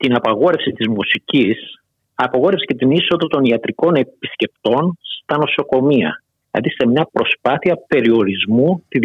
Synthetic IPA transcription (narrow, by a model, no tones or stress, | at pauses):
t̪inɐpɐɣo̞ɾe̞fsit̪izmusicis | ɐpɐɣo̞ɾefse̥cet̪iniso̞ðɐt̪o̞niɐt̪ɾiko̞ne̞pisce̞p̚t̪o̞nst̪ɐno̞so̞ko̞miɐ̰ | ɐ̰ðise̞mɲɐpɾo̞spɐθiɐpe̞ɾio̞ɾizmut̪i